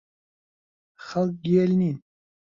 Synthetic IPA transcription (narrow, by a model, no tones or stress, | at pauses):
xalk̚ɡielnin